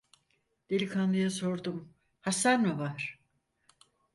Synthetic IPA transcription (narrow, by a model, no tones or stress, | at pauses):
d̪̥elʲikʰanlˠɯjaso̞ɾd̪um | hasaɾnavaɾ̥